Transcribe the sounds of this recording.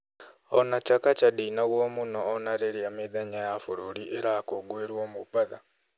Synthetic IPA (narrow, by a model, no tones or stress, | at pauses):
onacakacadiːnaɣoːmunoːnaɾeɾijameðaɲajafuɾoɾiʔeɾakoɡweɾwoːmuβaða